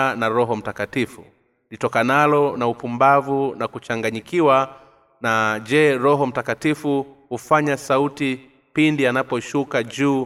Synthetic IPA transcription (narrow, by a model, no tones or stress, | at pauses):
naɾɔɦɔm̩takatifṵ | litɔkanalɔnaupumbavunakut͡ʃaŋɡaɲikiwa | nad͡ʒɛɾɔɦɔm̩takatifuhufaɲasauti | pindianapɔʃukaʄuː